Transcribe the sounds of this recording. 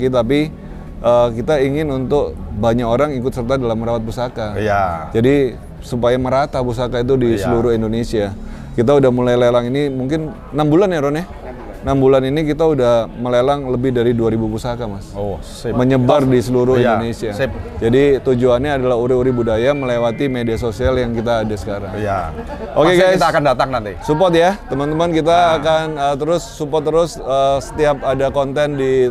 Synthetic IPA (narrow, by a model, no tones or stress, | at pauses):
kit̪ap̬i | ʔəkit̪aiŋɪnunt̪ʊk̚baɲakoɾaŋikʊt̪sərt̪adalamːəɾawat̪̚pusakajd͡ʒadi | supajaməɾat̪apusakait̪̬udisəluɾʊɦindonesia | kit̪audahmulajlelaŋinimuŋkɪn | nambulanjaɾonɛ | nambulaninikit̪audahməlelaŋləbɪhdaɾiduaɾibupusakamaso | məɲəbardisəluɾʊhidonesiapd͡ʒadit̪ud͡ʒuanɲaːdalaɦuɾɪuɾibudajaməlewat̪imediasosialjaŋkit̪aːdasə̥kaɾa̰ŋja | ʔokeɡajist̪akandat̪aŋnant̪isupɔt̪jat̪əmant̪əmankit̪aːkanət̪əɾʊsːupɔt̪ːəɾʊsəsə̥t̪iap̚adakɔnt̪ɛndi